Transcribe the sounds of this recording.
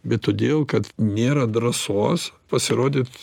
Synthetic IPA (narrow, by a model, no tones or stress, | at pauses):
bʲɛt̪ːoːd̪ʲeːlˠkɐt̪nʲeːɾɐd̪ɾɐsoːspɐsʲɪɾoːd̪ʲɪːt̪